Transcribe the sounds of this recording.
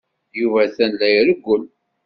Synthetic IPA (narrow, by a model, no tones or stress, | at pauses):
juvæθænlːæjɾəɡʷːʊl